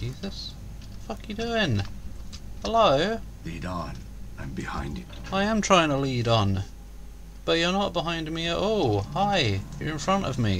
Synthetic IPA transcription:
d͡ʒizɨs | fʌkjɨdʉɪ̃ŋ | həloʊliɾn | ãmbɨhã̰ɪ̃ndɨ | aɪɨ̃mtʰɹ̥aɪɪ̃ŋtʰəliɾn̩ | b̥ʌʔə˞nət̚b̥əɦãɪ̃ndmiɨɾɔlˠhaɪjə̰˞ɨ̃nfɹʌ̃ntʌ̰vmḭ

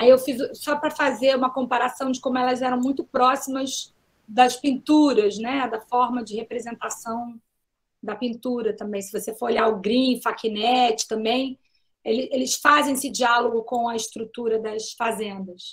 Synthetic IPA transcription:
aiewfizʊsɔpɾɐfazeɾũmɐkõmpaɾasɐ̃w̃d͡ʒɪkõmʊɛlɐzɛɾɐ̃w̃mũj̃t̪ʊpɾɔsimɐz | d̪ɐspĩnt̪uɾɐznɛd̪ɐfɔɾmɐd͡ʒɪhepɾezẽnt̪asɐ̃w̃ | d̪ɐpĩnt̪uɾɐt̪ɐ̃mbẽj̃sɪvosefoɾoʎaɾʊɡɾĩfakinɛt͡ʃɪ̥t̪ɐ̃mbẽj̃ | elɪelɪsfazẽj̃sɪd͡ʒialoɡʊkõw̃ɐɪʃt̪ɾut̪uɾɐd̪ɐsfazẽnd̪ɐs

